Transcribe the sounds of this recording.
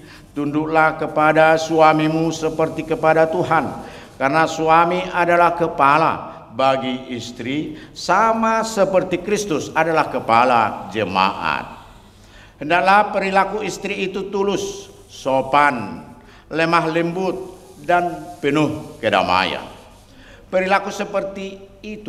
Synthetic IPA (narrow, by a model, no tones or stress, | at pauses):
t̪unduʔlahkəpadasuamimusəpərt̪ikəpadat̪uɦan | karnasuamiʔadalahkəpala̰ | baɡiist̪ɾisamasəpərt̪ikɾist̪ʊsadalahkəpala̰d͡ʒəma̰ʔa̰t̪̚ | həndaklahpəɾilakuist̪ɾiːt̪ut̪ulʊsː | opan | lɛmaɦlimbʊt̪̚ | danpənʊhkəda̰ma̰ja̰ | pəɾilakusəpərt̪iːt̪u